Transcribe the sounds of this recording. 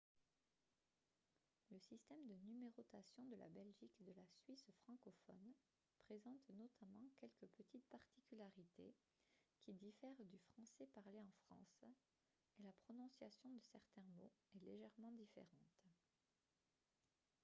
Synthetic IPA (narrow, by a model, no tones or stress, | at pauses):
ləsist̪ɛmd̪ənymeʁɔt̪asjɔ̃d̪əla̰bɛlʒiked̪əlasɥisfχɑ̃kɔfɔ̰n | pχezɑ̃t̪nɔt̪ʰamɑ̃kʲɛlkəpət̪ʰit̪paʁt̪i̥kʲylaʁit̪ḛ | kʲid̪ifɛʁd̪yfχɑ̃sɛpaʁleɑ̃fχɑ̰̃s | elapχɔnɔ̃sjasjɔ̃d̪əsɛʁt̪ɛ̃moɛleʒɛʁmɑ̃d̪ifḛʁɑ̃t̪